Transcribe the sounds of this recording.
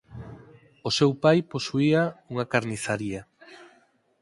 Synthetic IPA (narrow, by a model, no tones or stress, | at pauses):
osewpajposuiauŋakaɾniθaɾia